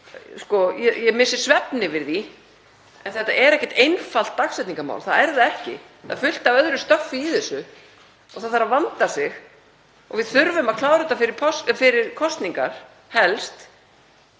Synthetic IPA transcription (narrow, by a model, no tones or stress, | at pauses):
skɔjɛjɛmɪsɪɾ̥svɛpnɪvɪɾði | ɛnθɛht̪ːaʔɛɾɛhcɛ̥t̪ejnfal̥t̪ːaksɛjt̪niŋkama̰wlθaðɛɾðaɛhcɪ̰ | θa̰ðfʏl̥t̪avœðɾʏst̪œfːɪiθɛsːʏ | ɔθaθaɾavant̪ḁsɪx | ɔ̰ɣvɪðθʏɾvʏmaðkʰlaːwɾʏt̪afɪɾɪɾpʰɔsfɪɾɪɾkʰɔst̪niŋka̰ɾ̥ | hɛlst̪